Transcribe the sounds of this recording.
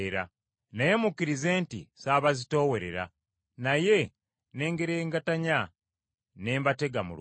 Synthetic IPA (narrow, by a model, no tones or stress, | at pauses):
ɾa | najemukːiɾize̞ːntḭsaːβazito̞ːwe̞ɾe̞ɾa̰ | naje̞ | ne̞ːŋɡe̞ɾeːŋɡataɲa | ne̞ːmbate̞ɡamṵl